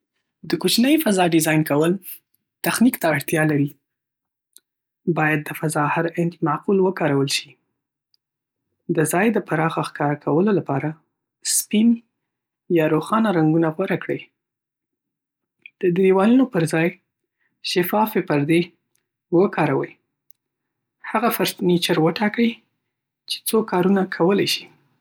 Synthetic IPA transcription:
d̪əkot͡ʃnəjfazɑɖɪzɑjnkawəl | t̪axnikt̪aːɽt̪jɑlaɾi | bɑjad̪̚ːəfazɑhaɾɪnt̪maqulwəkɑɾawəlʃi | d̪əzɑjd̪əpaɾɑxaxkɑɾakʰawəlolapɑɾa | spin | jɑɾoxɑnaɾaŋɡunaɣwaɾakɽəj | d̪̥əd̪ɾiwɑlunopəɾzɑj | ʃɪfɑfepəɾd̪e | wəkʰɑɾawə̰j | haɣafaɾt̪nit͡ʃəɾwəʈɑkəj | t͡ʃe̥t͡sokɑɾunakʰawəlajʃi̥

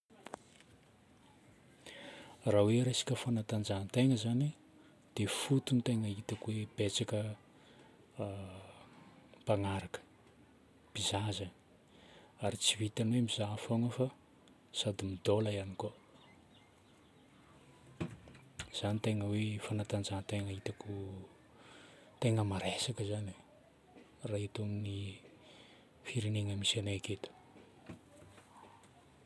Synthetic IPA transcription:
raweɾesḁkʲəfanat̪and͡ʒant̪eŋəzani | d̪̥efut̪unt̪eŋəit̪akuweb̥et͡sakə | paŋaɾakə̥ | b̥izazən | aɾit͡sivit̪anwemizafoŋəfa | sad̪imid̪oləjaniko | z̥anit̪eŋəwefanat̪and͡ʒant̪eŋəit̪akʰu | t̪eŋəmaɾesakəzani | rait̪oŋni | fiɾiniŋəmisanaeket̪ə̥

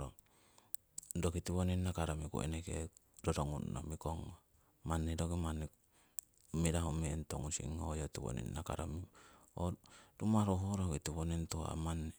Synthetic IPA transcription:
ɾo | dokitiβoninnakaɾamikṵḛnekḛ | doɾoŋunːo̰mikoŋo | manːedoɡimanːi | miɾaɦomientoŋunsḭŋojotiβo̰nḭnnaka̰ɾamiodumaɾoɦoɾokitiβonentua̰manːe

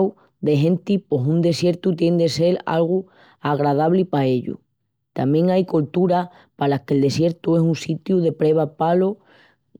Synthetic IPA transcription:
w | d̪e̞ɦẽ̞nt̪ipo̞sund̪e̞sje̞ɾt̪ut̪je̞nd̪e̞se̞la̰lɣ̞u | aɣ̞ɾað̞aβlipae̞ʎṵ | t̪amjẽ̞ŋajkolt̪uɾa | palahke̞ld̪e̞sje̞ɾt̪uesunsit̪juðe̞pɾe̞β̞apalo

